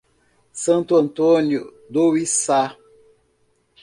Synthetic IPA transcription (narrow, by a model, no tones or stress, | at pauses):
sɐ̃nt̪uɐ̃nt̪onjʊ | d̪owisa